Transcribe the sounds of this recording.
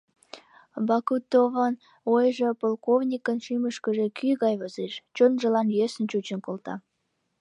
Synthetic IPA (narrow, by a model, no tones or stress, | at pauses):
bɑkut̪ːovən | ojʒəpolˠkovnʲikənʃyməʃkəʒekʰyɣɑjβəzeʃt͡ɕonʒəlɑnjesə̆nt͡ɕut͡ɕə̆nkolt̪ɑ̰